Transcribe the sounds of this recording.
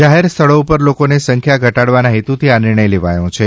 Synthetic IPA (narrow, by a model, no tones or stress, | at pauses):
d͡ʒaɦeɾst̪ʰəɭoupəɾlokonesəŋkʰjaɡʱəʈaɽʋanaɦet̪ut̪ʰianɪɾɳ̃əjleʋajõt͡ʃʰe